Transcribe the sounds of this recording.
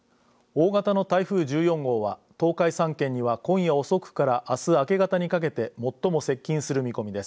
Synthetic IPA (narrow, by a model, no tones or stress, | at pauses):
o̞ːɡat̪ano̞t̪aiɸɯ̟ːʑɨːjõ̞ŋɡo̞ːβa̰t̪o̞ːkaisãŋkẽ̞ɲ̟ːiβakõ̞ɰ̃jao̞so̞kɯ̟̥kaɾaʔasɨake̞ɡat̪aɲ̟ikak̬e̞t̪e̞mo̞t̪ːo̞mo̞se̞kʲːĩɰ̃sɨɾɯ̟mʲiko̞mʲid̪e̞sɨ̥